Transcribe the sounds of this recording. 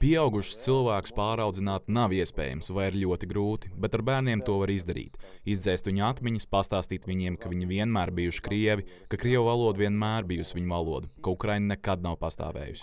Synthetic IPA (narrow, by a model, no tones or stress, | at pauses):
piɛawɡuʃst̪silˠvæːku̥spaːɾawd̪zinaːt̪naviɛspɛ̰ːja̰msʋajiɾʎʲuɔt̪iɡɾuːt̪i̥bɛt̪aɾbæːɾniɛmt̪uɔvaɾizd̪aɾḭːt̪izd̪zɛjst̪ʋiɲuat̪miɲispast̪aːst̪iːt̪ʋiɲiɛmkaviɲviɛnmæːɾbijuʃi̥kɾiɛvikakɾiɛvvalˠuɔd̪viɛnmæːɾbijusʋiɲuvalˠuɔd̪ukaukɾajnnɛkad̪̚nawpast̪ɑ̰ːʋḛːjṵs